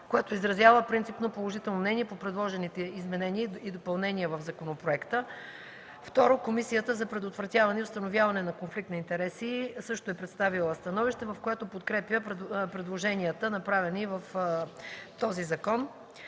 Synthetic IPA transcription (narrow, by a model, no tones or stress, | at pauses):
kojat̪oizɾɐzʲjavəpɾint̪sipnopolˠoʒit̪ɛlˠnomnɛniɛpopɾɛd̪lˠɔʒɛnit̪ɛizmɛnɛniəid̪opɐlˠnɛniəvɐvzɐkonopɾoɛkt̪ə | ft̪ɔɾokomisijət̪əzɐpɾɛd̪ot̪vɾɐt̪ʲjavɐnɛiʊst̪ɐnovʲjavɐnɛnɐkonflik̚t̪nɐint̪ɛɾɛsisɤʃt̪oɛpɾɛt̪st̪avilˠəst̪ɐnɔviʃt̪ɛvɐfkojat̪opot̪kɾɛpjəppɾɛd̪lˠoʒɛnʲiət̪ənɐpɾavɛnivəf | t̪ɔzizɐkɔn